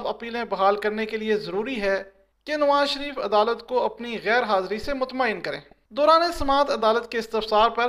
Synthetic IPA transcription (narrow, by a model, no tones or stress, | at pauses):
b̪ɐpiːlẽbɐɦaːlkɐɾnekeliezɐɾuːɾiɦɛ | kenɐʋaːzʃəɾiːfɐd̪aːlət̪koɐpniɣɛːɾɦaːzɾisemʊt̪maːɪnkɐɾḛ̃ː | d̪ɔːɾaːnesɐmaːt̪ɐd̪aːlət̪keɪst̪ɪfsaːɾpɐɾ